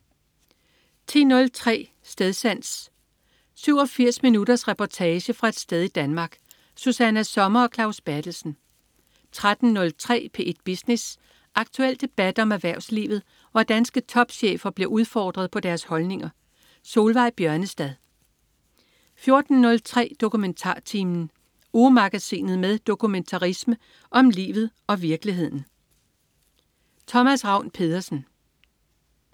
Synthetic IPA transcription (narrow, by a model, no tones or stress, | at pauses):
t͡sʰḭːnɔ̽lt͡sʰʁɛ̰ː | sd̥eðˠsæn̰s | syʊ̰ɒ̽fiɐ̰sminud̥ɐsʁɛpʰɒt͡sʰɛːɕəfʁɑ̈e̝d̥sd̥eð̞ˠid̥ænmɑ̈ːɡ̥ | susænæsɒ̽mɐɒ̽kʰlɑ̈ʊsb̥æd̥l̩sn̩ | t͡sʰʁad̥n̩nɔ̽lt͡sʰʁɛ̰ːpʰe̝ʔe̝d̥̚b̥isnes | ʔɑ̈ɡ̥̚t͡sʰuel̰d̥e̝b̥æd̥ɒ̽mæʋæɐ̰ʊslḭːʋð̩ˠ | ʋɒd̥ænsɡ̥ət͡sʰɒ̽b̥ɕḛːfɐb̥le̝ʔuð̞ˠfɒ̰ːd̥ʁɐð̞̩ˠpʰɒ̽d̥æɐshɒ̽lne̝ŋɐ | so̝ːlʋɑ̈ɪ̰b̥jɶɐnəsd̥æðˠ | fjo̝ɐd̥n̩nɔ̽lt͡sʰʁɛ̰ːd̥o̝kument͡sʰɑ̰̈ːt͡sʰiːmn̩ | umɑ̈ɡ̥æsḭːnð̩ˠmeðˠd̥o̝kʰument͡sʰɑ̈ʁismə | ʔɒ̽mlḭːʋð̞̩ˠɒ̽ʋiɐɡ̥liɦe̝ð̞̰ˠn̩ | t͡sʰɒ̽mæsʁɑ̈ʊ̰npʰe̝ð̞ˠɐsn̩